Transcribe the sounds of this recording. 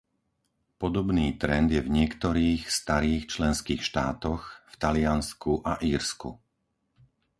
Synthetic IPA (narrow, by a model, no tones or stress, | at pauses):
pɔd̪ɔbniːt̪ɾɛnd̪jɛvɲɪɛkt̪ɔɾiːxst̪aɾiːxt͡ʃlɛnskiːxʃt̪aːt̪ɔxft̪alɪanskuʔaʔiːɾskṵ